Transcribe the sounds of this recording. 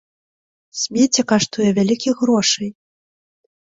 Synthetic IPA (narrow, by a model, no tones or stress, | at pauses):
sʲmʲet͡sʲɛkaʂt̪ujɛvʲalʲikʲiɣɾɔʂɨj